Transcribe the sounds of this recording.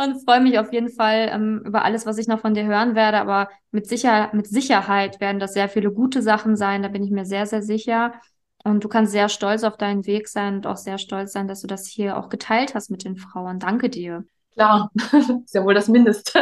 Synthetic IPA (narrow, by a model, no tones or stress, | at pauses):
ʔʊnfʁ̥ɔʏəmɪçaʊfjeːdn̩falʔɛ̰mʔy̰ːbɐ̰ʔa̰ləsv̥as̬ɪçnɔχfɔndiːɐɦøːʁ̞ənveːɐɾəʔa̰ːbɐ | mɪtz̥ɪçɐmɪtz̥ɪçɐhaɪtv̥eːɐdn̩dasz̥eːɐfiːləɡuːtəzaχn̩zaɪndaːbɪnɪçmiːɐzeːɐzeːɐzɪçɐ | ʔʊnt̚d̥uːkʰanstz̥eːɐʃtɔlt͡saʊfd̥aɪnənveːkz̥aɪnʊnta̰ʊxz̥eːɐʃtɔlt͡sz̥aɪndasd̥uːdashiːɐʔa̰ʊxɡ̥ətʰaɪlthast̚mɪt̚d̥eːnfʁ̥aʊəndaŋkədiːɐ | kʰl̥aːɐɪstjaːvoːldasmɪndəstə